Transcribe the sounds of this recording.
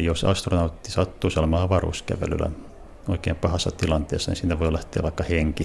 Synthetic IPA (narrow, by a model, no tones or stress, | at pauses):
josɑ̰st̪ronɑut̪ːisɑt̪ːuːsielæmɑːʋɑrṵːskæ̰ʋḛlylæ̰ | oikeːmpɑhɑsːɑt̪ilɑnt̪ḛːsːɑnḭsiːnæʋoilæht̪ˑḛːʋʋɑˑikːɑheŋki